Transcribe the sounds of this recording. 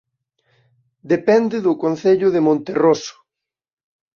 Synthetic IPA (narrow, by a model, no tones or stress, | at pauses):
d̪epɛnd̪ɪðʊkonθeʎʊðemõnt̪erosʊ̥